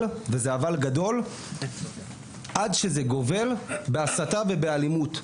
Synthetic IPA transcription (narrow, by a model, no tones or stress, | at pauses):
ve̞zeavalɡado̞l | ʔadʃe̞zeɡo̞ve̞lbeasatave̞be̞alimut